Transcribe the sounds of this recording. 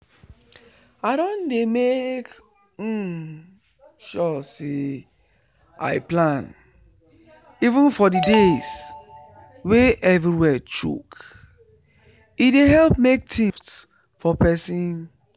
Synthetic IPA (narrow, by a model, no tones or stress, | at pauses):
aɪɾɔ̃ndemek̩ | ʃɔse | a̰ɪplãn | ivũnfɔdides | weʔɛvɾiwɛtṵk | ideɦɛlp̚mek̚tʰĩft | fɔpɛsĩn